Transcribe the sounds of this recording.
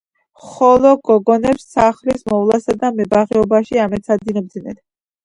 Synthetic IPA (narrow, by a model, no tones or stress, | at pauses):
χɔlˠɔɡɔɡɔnɛpsːaχlismɔvlˠasad̪amɛbaʁɛɔbaʃiamɛt̪sad̪inɔb̚d̪zinɛ̰n